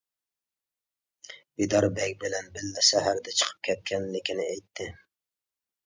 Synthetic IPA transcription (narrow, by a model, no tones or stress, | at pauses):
bid̪ɑɾbɛk̚ʲbɪlɛnbɪlːɛsɛɦæɾd̪ɛt͡ʃʰə̥qʰə̥p̚kʲʰɛt̪̚kʲɛnlɪkʲinɪejt̪ʰːɪ